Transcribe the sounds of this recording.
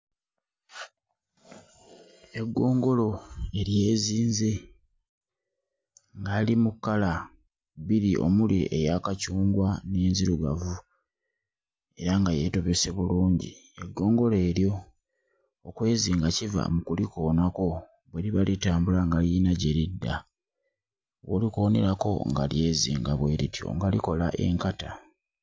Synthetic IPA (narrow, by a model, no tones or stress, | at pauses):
e̞ɡːo̞ːŋɡo̞lo̞e̞ɾje̞ːziːnze̞ | ŋɡaːlimukːala | βiɾiʔo̞̰muliʔḛjaːkacuːŋɡwane̞ːnziɾuɡa̰vu | e̞ɾaŋɡaje̞to̞βe̞se̞βuluːɲɟḭ | e̞ɡːo̞ːŋɡo̞le̞ːɾjo̞ | kwe̞ːziːŋɡaciva̰mukuliko̞ːnako̞ | βweɾiβalitaːmbulaŋɡaljinaɟe̞ɾidːa | wolikone̞̰ɾako̞̰ŋɡalje̞ːziːŋɡaβwe̞ːɾitjo̞̰ŋɡaliko̞laʔe̞̰ŋkata